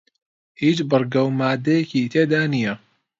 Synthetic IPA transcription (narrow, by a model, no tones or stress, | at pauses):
hiːt͡ʃbɨrɡɐwmaːd̪ejekit̪ʰeːd̪aːnijɐ